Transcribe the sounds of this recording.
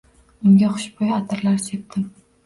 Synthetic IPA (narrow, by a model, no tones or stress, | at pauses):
ʊŋɡʲaχʊʃbɒjat̪ʰɪɾlaɾse̞p̚t̪ɪm